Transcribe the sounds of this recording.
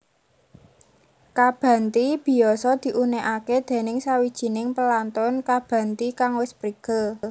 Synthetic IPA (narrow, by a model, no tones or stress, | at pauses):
kab̥ä̤nt̪ib̥i̤ɔsɔd̪̥i̤ʔuneʔaked̪̥e̤nɪŋsawid̥ʒ̥i̤nɪŋpəlant̪ʊnkab̥ä̤nt̪ikaŋwɪspɾiɡ̥əl